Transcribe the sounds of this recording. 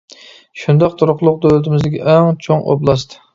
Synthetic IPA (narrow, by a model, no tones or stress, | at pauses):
ʃund̪ɑq̚t̪ʰuɾʊqlˠʊq̚d̪ølɪt̪ʰɪmɪzd̪ɪkʲḭʔɛŋt͡ʃʰoŋo̰blˠɑst̪ʰɨ̥